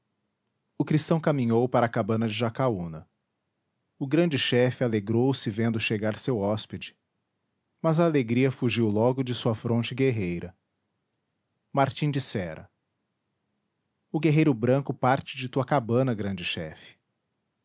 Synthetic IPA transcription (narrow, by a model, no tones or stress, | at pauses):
ʊkɾist̪ɐ̃w̃kamĩɲowpaɾɐkabɐ̃nɐd͡ʒɪʒakaunɐ | ʊɡɾɐ̃d͡ʒɪʃɛfɪaleɡɾowsɪvẽnd̪ʊʃeɡaɾsewɔsped͡ʒɪ̥ | mɐzɐːleɡɾiɐfuʒiwlɔɡʊd͡ʒɪsuɐfɾõt͡ʃɪɡeɦejɾɐ | maɾt͡ʃĩd͡ʒisɛɾɐ̰ | ʊɡeɦejɾʊbɾɐ̃kʊpaɾt͡ʃɪd͡ʒɪt̪uɐkabɐ̃nɐɡɾɐ̃nd͡ʒɪʃɛ̰fɪ̥